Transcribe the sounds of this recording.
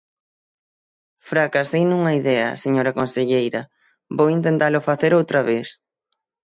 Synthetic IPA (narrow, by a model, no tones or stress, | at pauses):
fɾakasejnuŋɐiðɛɐ̰seɲoɾɐkonseʎejɾɐ | bowint̪ent̪alʊfaθeɾowt̪ɾɐβes